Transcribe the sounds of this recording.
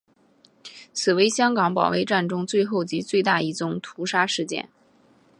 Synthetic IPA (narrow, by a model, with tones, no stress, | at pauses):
t͡sʰɹ̩˨˩we˧˥ɪɕjɑ˥ŋkɑ˧˥ŋpɑ̰˨˩wḛ˧˥ɪʈ͡ʂa˥˩nʈ͡ʂʊ˥ŋt͡swe˥˧ɪxo˥˩ʊt͡ɕi˧˥t͡swe˥˧ɪt̪a˥˧i˥˩t͡sʊ˥ŋt̪ʰu˧˥ʂa˥ʂɻ̩˥˧t͡ɕjɛ̰˥˩n